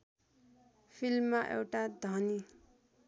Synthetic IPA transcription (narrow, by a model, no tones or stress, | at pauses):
pʰilmːaʔḛwʈad̪ʱʌni